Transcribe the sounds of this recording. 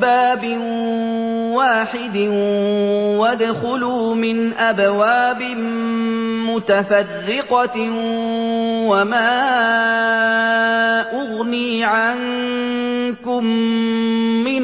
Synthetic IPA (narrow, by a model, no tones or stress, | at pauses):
baːbɪ | waːħɪd̪ɪ | wad̪xʊlʊmɪnʔabwaːbɪ | mʊt̪afarːɪqɑ | wamaː | ʔʊɣniːʕan | kʊmː | ɪn